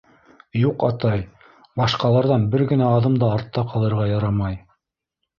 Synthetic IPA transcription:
juqɑt̪ɑj | bɑʃqɑlˠɑɾðɑnbɘɾɡɘ̆næɑðɤmd̪ɑːɾt̪ːɑqʰɑlˠɤ̆ɾʁɑjɑɾɑmɑj

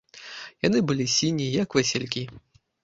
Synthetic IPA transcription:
janɨbɨlʲisʲinʲijɐkvɛsʲɛlʲkʲi

